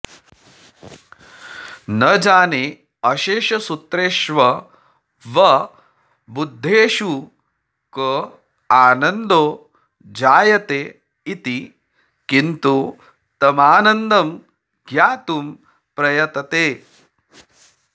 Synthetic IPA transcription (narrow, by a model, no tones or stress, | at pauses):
nɐd͡ʒaːneː | ɐʃeːʃɐsut̪ɾeːʃʋɐ | ʋɐ | bud̪ʱːeːʃu | kɐ | aːnɐnd̪oː | d͡ʒaːjɐt̪eː | it̪i | kint̪u | t̪ɐmaːnɐnd̪ɐm | ɡjaːt̪um | pɾɐjɐt̪ɐt̪eː